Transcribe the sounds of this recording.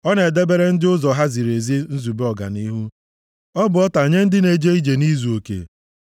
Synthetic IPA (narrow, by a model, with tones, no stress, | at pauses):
ɔ˦ne˨de˦be˦ɾe˦n̩˦dɪ˦ʊ˦zɔ˨ɦa˦zi˨ɾe˨zi˦n̩˦zu˨be˦ɔ˨ɡa̰˨ni˦ɦu˦ | ɔ˦bʊ˨ɔ˦ta˨ɲe˦n̩˦dɪ˦ne˨d͡ʒe˦i˦d͡ʒe˨ni˦zu˨o˨kḛ˨